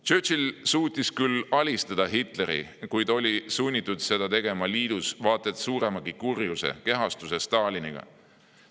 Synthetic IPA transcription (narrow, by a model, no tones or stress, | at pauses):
t͡ʃøːt͡ʃilsuːt̪ʲːˑiskylɑlʲist̪ɑd̪̥ɑɦit̪ˑle̞ɾḭkujd̪o̞lʲisunʲːit̪ːˑud̪̥se̞d̪̥ɑt̪e̞ɡ̥e̞mɑliːd̪̥usvɑːt̪ːˑet̪suːɾe̞mɑɡikurjusḛke̞ɦɑst̪use̞st̪ɑːlʲiniɡ̥ɑ̰